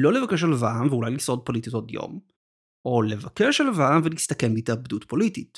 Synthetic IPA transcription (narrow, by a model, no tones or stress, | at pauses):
lo̞levakeʃ̬alavaʔamveulajliso̞d̚po̞litito̞djo̞̰m | ʔo̞le̞vakeʃalavaamvelist̪ɐke̞mbiteabdutpo̞litit